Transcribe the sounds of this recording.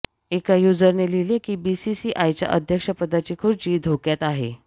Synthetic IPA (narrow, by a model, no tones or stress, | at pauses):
ekajud͡zəɾnelilekiːbisisiʔajt͡ɕja̰ʔəd̪ʱjəkʂəpəd̪at͡ɕiːkʰoɾd͡ʑiːd̪ʱokjat̪aɦḛ